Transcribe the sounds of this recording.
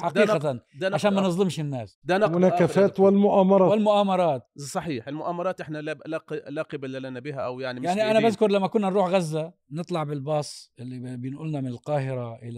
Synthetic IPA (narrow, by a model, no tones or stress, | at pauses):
ħaqiːaand̪ʕaʃaːnmanɨzˤd̪ˤɪmʃɪnːaːsd̪anɑmʊnakːafaːt̪wɪlmʊʔaːmɑɾˤɑɪlmʊʔaːmɑɾˤɑːt̪̚sˤɑħiːħɪlmʊʔaːmɑɾˤɑːt̪ʔɪħnalalaqlaqibalalanabɪɦaʔawjaʕnijaʕniʔanabaðkʊɾˤlamːakʊnːanɾuːħɣazːanɨt̪ˤlɑʕbɪlbɑːsˤʔɪlːibjɪnʔʊlnamɪnɪlqɑːɦɪɾaʔɪla